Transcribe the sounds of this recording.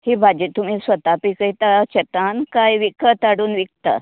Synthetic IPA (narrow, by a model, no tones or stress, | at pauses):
hibʱad͡ʑit̪um̤iːsʋət̪apikəit̪at͡ɕet̪ankajʋikʰət̪aɽuːnʋik̚t̪a̰